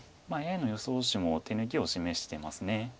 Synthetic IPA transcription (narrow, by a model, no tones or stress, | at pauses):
maeano̞jo̞soːɕimo̞t̪e̞nɯ̟kʲio̞ɕime̞ɕi̥t̪e̞masɨne̞